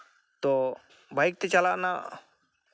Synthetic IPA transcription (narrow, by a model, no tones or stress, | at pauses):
t̪ɔ | bajk̚t̪ɛt͡ʃalaʔna